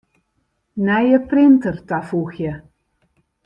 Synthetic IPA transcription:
nɛjəprɪntərtafuxjə

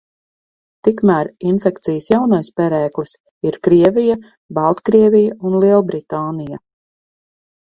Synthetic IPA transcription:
t̪ikmæːɾinfɛkt̪sijəsjawnajspɛɾɛːklis | iɾkɾiɛvʲija | balˠt̪kɾiɛvijaunlˠiɛlˠbɾit̪aːnija

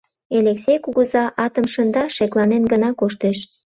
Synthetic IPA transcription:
eleksʲejkuɣuzɑʔɑt̪əmʃənd̪ɑʃeklɑnenɡənɑkoʃt̪eʃ

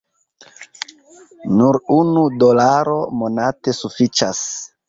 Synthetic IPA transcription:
nuɾunudo̞laɾo̞mo̞nate̞sufit͡ʃas

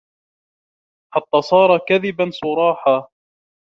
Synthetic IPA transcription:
ħat̪ːaːsˤɑːɾˤɑkaðɪbansˤʊɾˤɑːħaː

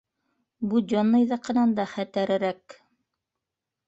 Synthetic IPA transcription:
bud͡ʑonːɤjðɑqɤ̆nɑnd̪ɑχæt̪æɾɘ̆ɾæk

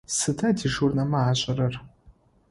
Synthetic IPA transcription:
sɨtʰɐtʰiʂurnɐmɐaːɕʼɪɾɐr

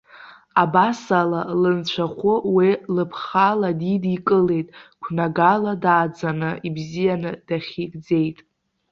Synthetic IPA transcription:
abasalalɨnt͡ɕʷʰaχʷʊwilɨpʰχaladidikʼɨle̞jtʼkʷʰnaɡaladaːd͡zanɨibzijanɨd̥aχʲiɡd͡ze̞jtʼ

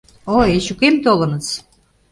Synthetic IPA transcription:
oeɕukemt̪olɤ̆nə̆t͡s

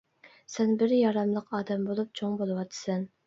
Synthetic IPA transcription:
sɛnbɪɾjɑɾɑmlˠəqʰɑːd̪ɛmbolˠup̚t͡ʃʰoŋbolˠɨwɑt̪ʰːɨ̥sɛn

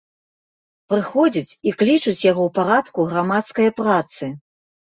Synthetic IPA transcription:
pɾɨxɔd͡zʲit͡sʲiklʲit͡ʂut͡sʲjaɣɔwpaɾat̪kuɣɾamat̪skɐjɐpɾat̪sɨ

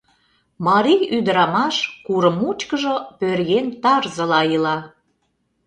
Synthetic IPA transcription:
mɑɾijyd̪əɾɑmɑʃkuɾəmut͡ɕkəʒŏpørɣent̪ɑrzə̆lɑilɑ

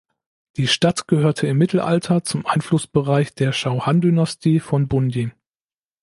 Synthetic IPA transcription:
d̥iːʃtatɡ̥əhøːɐtʰəɪmːɪtʰl̩ʔa̰ltʰɐt͡sʊmʔaɪnflʊsb̥əʁaɪçd̥eːɐʃaʊhandynastʰiːfɔnbʊndin

